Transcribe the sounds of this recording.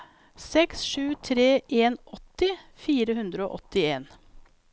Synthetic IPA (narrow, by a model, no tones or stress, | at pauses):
sɛksʃʉːt̪ʰɾeːʔeːnʔɔt̪ɪfiːɾəhʉnd̪ɾəo̰ːʔɔt̪ɪeːn